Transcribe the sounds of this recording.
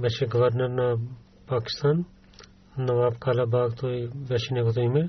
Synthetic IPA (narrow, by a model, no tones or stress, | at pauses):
bɐʃeɡɐʋəɾnəɾna | paːkɪ̥st̪aːnː | ɐʋaːbkaːlabaːɡt̪oiʋɐʃinekot̪oimẽ